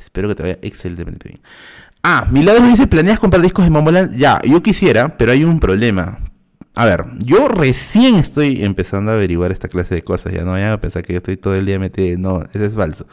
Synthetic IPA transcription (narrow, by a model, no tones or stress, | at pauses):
espe̞ɾo̞ket̪eaja̰ʔekselent̪emen̰eβjḛŋ | amilaðɾomoðis̬eplane̞akompɾaɾðihkozðemomolanʝa̰jo̞kisje̞ɾape̞ɾo̞ajumpɾoβ̞le̞ma̰ | aβe̞ɾɟ͡ʝore̞sje̞ŋe̞st̪o̞jempe̞sand̪oaβe̞ɾiɣwaɾe̞st̪aklase̞ðe̞ko̞sa̰sʝa̰noβajapensaɾkejoest̪o̞jt̪oðoeld̪iamet̪enoesoesfalso